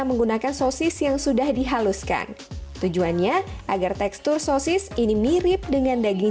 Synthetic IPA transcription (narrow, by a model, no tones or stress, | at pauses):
məŋɡunakansosɪsjaŋsudahdiɦaluska̰n | t̪ud͡ʒuanɲaʔaɡart̪ɛkst̪ʊrsosɪsinimiɾɪp̚dəŋandaɡi